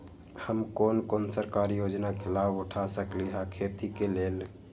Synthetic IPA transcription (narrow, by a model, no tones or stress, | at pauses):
həmkoːnkonsəɾkaːɾijoːd͡ʒnakʰelaːbʊʈʰasəkliɦakʰeːt̪ikeleːl